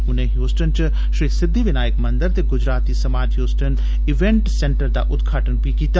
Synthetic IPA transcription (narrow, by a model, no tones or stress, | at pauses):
ʊnẽːɦjoːsʈənt͡ʃ | ʃɾiːsɪd̪ːiːʋɪnaːjəkmə̃nd̪əɾt̪eːɡʊd͡ʒɾaːt̪ːiːsəmaːd͡ʒɦjoːsʈən | ɪʋɛ̃ɳʈsɛɳʈəɾd̪a̰ːʔʊt̪ɡaːʈənpiːkiːt̪a